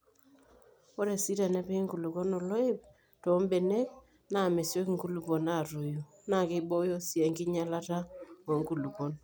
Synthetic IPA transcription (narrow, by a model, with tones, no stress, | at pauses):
o˦ɾe˨si˦ɾa˨nɛ˦pe˦ŋɡu˨lu˨ko˦no˨lo˦ɪ˦p̚ | to˨˦mbe˨ne˦k̚ | na˨me˨sjo˦kŋɡu˦lu˨po˨na˦˨ɾu˨ju˨ | na˦˨kɪ˦ɓo˦jo˦sjɛ˨ŋɡɪ˦ɲa˦la˦ta˦o˨˦ŋɡu˨lu˨ko˦n